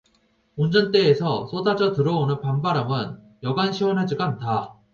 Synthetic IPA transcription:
ond͡ʑʌnt͈e̞ːsʰʌs͈ʰodad͡ʑʌtɯɾʌonɯnpambaɾamɯn | jʌɡanɕʰiwʌnɦad͡ʑiɡaːntʰa

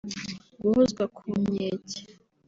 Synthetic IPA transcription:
ɡuhuzɡwakʰumeːcḁ

